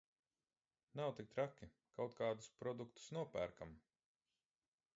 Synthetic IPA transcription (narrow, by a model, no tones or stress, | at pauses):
nawt̪ik̚t̪ɾakʲːi | kawt̪̚kaːd̪uspɾɔd̪ukt̪u̥snuɔpæːɾkam